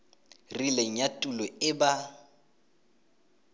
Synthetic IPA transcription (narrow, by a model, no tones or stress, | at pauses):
rileŋ̩jatʼulɔɪba